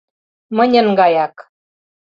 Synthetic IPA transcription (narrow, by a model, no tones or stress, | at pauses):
mənʲə̆ŋɡɑjɑk